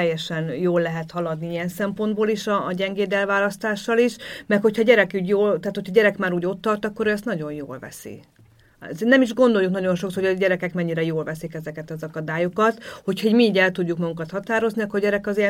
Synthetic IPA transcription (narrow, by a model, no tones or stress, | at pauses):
ɛjːɛʃɛnjoːlːɛɦɛt̪hɒlɒd̪niijɛnsɛmpo̞nd̪̚boːliʃɒːɟɛŋɡeːd̪ɛlvaːlɒst̪aːʃːɒliʃmɛkho̞chɒɟɛɾɛkyːɟjoːlt̪aːt̪hocʰɒɟɛɾɛkmaːɾuːɟo̞t̪ːɒrt̪ɒkːo̞ɾøɛst̪nɒɟo̞njo̰ːlvɛ̰sḭ | znɛmiʒɡo̞nd̪o̞juknɒɟo̞nʃo̞ksojɟɛɾɛkɛkmɛɲːiɾɛjoːlvɛsikɛzɛkɛt̪ɒzɒkɒd̪aːjokɒt̪ho̞cʰhɒiɟmiːɟɛlt̪uɟːukmɒɡukɒt̪hɒt̪aːɾo̞zniɒkorɟɛɾɛkɒziɛ